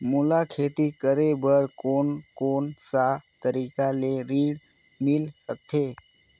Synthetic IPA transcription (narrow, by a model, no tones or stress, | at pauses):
mulakʰeːt̪ikəɾebəɾkoːnkoːnsat̪əɾiːkaleɾiːɽ | mɪlsək̚t̪ʰe